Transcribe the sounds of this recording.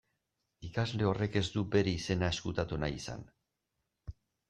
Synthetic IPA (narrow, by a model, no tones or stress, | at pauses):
ikazle̞o̞re̞ke̞zd̪ube̞ɾeise̞nae̞skut̪at̪unajisa̰n